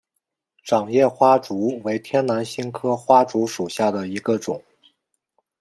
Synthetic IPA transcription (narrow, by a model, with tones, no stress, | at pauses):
ʈ͡ʂɑ˨˩ŋjɛ˥˩xwa˥ʈ͡ʂu˧˥we˧˥ɪt̪ʰjɛ˥nna˧˥nɕi˥nkʰɤ˥xwa˥ʈ͡ʂu˧˥ʂu˨˩ɕja˥˩d̪ə˩i˧˥ɡə˧ʈ͡ʂʊ˨˩˦ŋ